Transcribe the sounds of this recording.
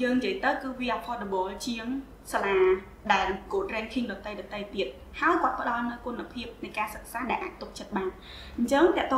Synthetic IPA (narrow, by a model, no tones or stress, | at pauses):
jəːŋːnijiəjt̪ɨwkɨːʋiəʔapʰoəɗeɓɔːlt͡ɕiəŋ | salaː | ɗaɛlkoːt̪̚rɛːŋkʰiəŋɗɑt̪əjɗɑt̪ːəjt̪iət̪̚ | haəjkɔ̆ət̪̚pə̆ɗɑlnɨwkuənapʰiəp̚nɨjkaːsək̚saːɗaɛlʔaːc̚t̪uk̚t͡ɕət̪̚ɓaːn | ɲt͡ɕəŋt̪ɛ̆əʔt̪oː